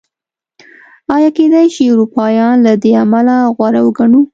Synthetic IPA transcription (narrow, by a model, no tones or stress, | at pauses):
ɑjɑked̪ajʃiʊɾupɑjɑnlad̪eamalaɣwaɾawɡaɳu